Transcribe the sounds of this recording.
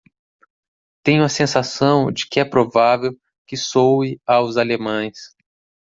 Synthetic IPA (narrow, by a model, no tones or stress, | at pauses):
t̪ẽjʊ̃uɐsẽsasɐ̃w̃d͡ʒɪkɪɛpɾovavew | kɪsowɪawzalemɐ̃j̃s